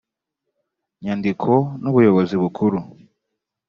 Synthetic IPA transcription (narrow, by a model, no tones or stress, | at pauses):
ɲandikʰo̞nuβujo̞βoziβukʰuɾu